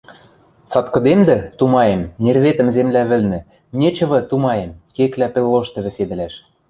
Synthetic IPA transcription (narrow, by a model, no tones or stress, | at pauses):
t͡sɑt̪kɤ̆d̪emd̪ɘ̆t̪umɑjemnerβet̪ə̆mzemlæβɘ̆lnɘ̆ | nʲĕt͡ɕɤ̆βɤ̆t̪umɑjemkeklæpĕlːoʃt̪ɤ̆βɘ̆sed̪ɘ̆læʃ